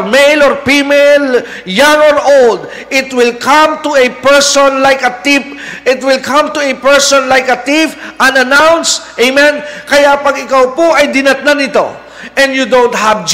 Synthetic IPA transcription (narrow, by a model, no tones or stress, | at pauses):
mejlɔɹpimel | jãŋɔɹʔold̪̚ | ʔɪt̪wɪlkʰɐ̃mt̪ʊɛpɛɹsɔnlajkɐt̪ip̚ | ʔɪt̪wɪlkʰɐ̃mt̪ʊɛpɛɹsɔnlajkɐt̪ifʔɐ̃nɐnawnsʔejmɛ̃nkɐjapɐɡɪkawpoʔɐjd̪ɪnɐt̪̚nanɪt̪o̰ | ʔɛ̃ndjud̪õwnt̪̚havd͡ʒ